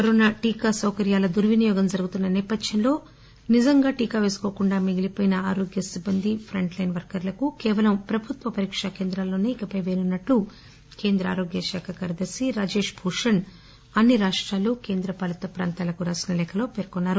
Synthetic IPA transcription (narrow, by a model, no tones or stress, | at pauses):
kɐɾoːnaʈiːkasɐwkɐɾjaːlɐd̪uɾʋinijɔːɡɐmd͡ʒɐɾuɡut̪unːɐnɛːpɐd̪ʱjɐnlo̞ː | nizɐŋɡaːʈiːkaːʋe̞ːsu̥koːkuɳɖaːmiɡilipoːjinɐaːɾo̞ːɡjɐsibːɐnd̪ʱipʰɾɐɳʈlɐjnʋɐɾkɐɾlɐkukɛːʋɐlɐmpɾɐbʱut̪ʋɐpɐɾiːkʂɐkeːnd̪ɾaːlːoːneːikɐpɐjʋeːnunːɐʈːu | ke̞ːnd̪ɾɐa̰ːɾo̞ːɡjɐʃaːkʰɐkɐɾd̪ɐsiɾaːd͡ʒe̞ːʂbʱuːʂɐn | ɐnːiɾaːʂʈɾaːluke̞ːnd̪ɾɐpɐlɐt̪ɐpɾa̰ːnt̪aːlɐkuɾaːsinɐlɛːkʰɐlo̞ːpeːɾkonːaːɾu